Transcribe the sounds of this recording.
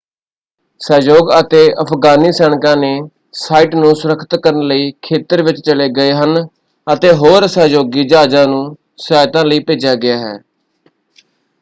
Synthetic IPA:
sɛːd͡ʒoːɡət̪eːʔəpʰɡaːniːsɛːɳ̃kãːneː | saːiːʈnũːsʊɾəkʰːt̪kəɾənləiːkʰeːt̪əɾʋɪt͡ʃt͡ʃəleːɡəeːɦən | ət̪eːɦoːɾsɛːd͡ʒoːɡiːd͡ʒaːd͡ʒãːnũː | saːjt̪ãːləiːpeːd͡ʒjaːɡɪjaːɦɛ̰ː

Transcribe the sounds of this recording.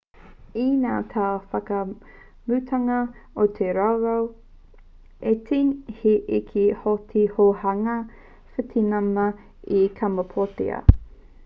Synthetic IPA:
inaːt̪ʰafɐkɐ | mʉt̪ʰɐŋɐot̪ʰeɾɐwɾɐw | etʰinhiʔikʰihotʰihohɐŋɐ | fetʰinɐmɐ | ikʰɐmɐpʰotḛɐ̰

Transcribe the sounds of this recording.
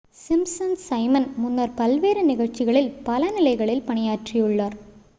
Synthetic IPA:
sɪmsɐnsɐɪmɐnmʊnːɐɾpɐlʋeːɾɯnɪɣɐɻt͡ʃːɪɣɐɭɪlpɐlɐnɪlɐɪɣɐɭɪlpɐɳɪjaːʈrijɯɭːaːɾ

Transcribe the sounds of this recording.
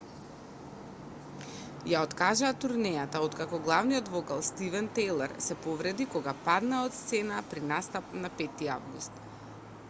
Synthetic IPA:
jaɔt̪kaʒaːt̪uɾnɛjat̪aɔt̪kakɔɡlˠavnijɔt̪vɔkalˠst̪ivɛnt̪ɛjlˠɛɾsɛpɔvɾɛd̪ikɔɡapad̪naɔt̪st̪sɛnapɾinast̪apnapɛt̪ia̰vɡust̪

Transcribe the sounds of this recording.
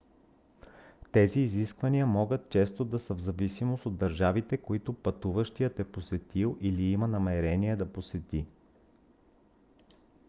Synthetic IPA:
t̪ɛziːziskvɐniəmɔɡət̪̚t͡ʃɛst̪od̪ɐsəvzɐvisimosod̪dːɐɾʒavit̪ɛkoit̪ʊpɐt̪uvəʃt̪ijət̪ɛposɛt̪ilˠʔiliimɐnɐmɛɾɛniɛd̪ɐposɛt̪i

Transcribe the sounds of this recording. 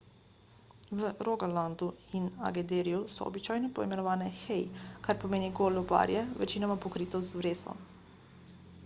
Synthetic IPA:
ʋəɾoɡaland̪uina̰ɡɛd̪eɾijusɔ̰ːbit͡ʃaːjnɔpɔimɛnɔʋaːnɛxɛjkaɾpɔmeːniɡoːluba̰ɾjɛʋɛ̰t͡ʃiːnɔmapɔkɾiːt̪ɔst̪ʋɾeːsɔ̰

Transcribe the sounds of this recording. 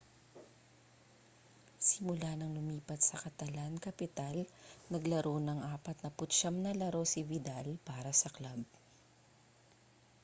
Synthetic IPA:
sɪmʊlanɐŋlʊmiːpɐt̪̚sɐkɐt̪ɐlankɐpɪt̪alnɐɡlɐɾonɐŋʔaːpɐt̪̚nɐpʊt̪ʃɐmnɐlɐɾo̞sɪvɪd̪alpaːɾɐsɐklab̚

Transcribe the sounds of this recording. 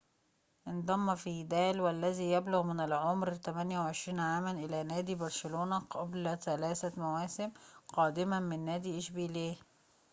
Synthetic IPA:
ʔɪnd̪ˤɑmːfiːd̪æːlwælːæziːjæbloɣmɪnælʕomɾt̪æmænjæwʕeʃɾiːnʕaːmænʔɪlænæːd̪ibɑɾˤʃeloːnæqʰɑblæθælæːsæmæwæːsɪmqɑːd̪ɪmæmɪnːæːd̪iːʔeʃbiːleː

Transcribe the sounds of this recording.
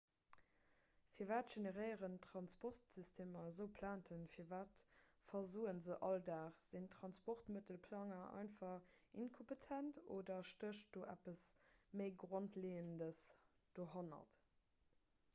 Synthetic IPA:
fiːɐvaːtʒ̥enəʁɜɪəʁəntʁɑnspɔʁtsystʰeːmɐzəʊpʰlaːntʰənfiːɐvaːtfɐzuːənzəʔɑldaːʁz̥intʁɑnspɔʁtmətəlpʰlɑŋɐʔɑ̰ɪnfɑʁinkʰompətʰænto̰ːdɐʃtəʃt̚d̥oːʔæ̰pəsməɪɡʁontleːəndəsd̥oːɦonɐ̰t

